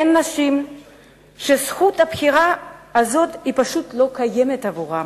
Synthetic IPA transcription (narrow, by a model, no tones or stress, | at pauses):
enːaʃim | ʃesxuthapxiʁaːzo̞thipaʃutlo̞kajemethavuʁa